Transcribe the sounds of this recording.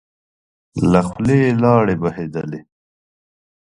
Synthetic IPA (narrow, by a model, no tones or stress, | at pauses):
laxleːlɑːɽebahed̪ale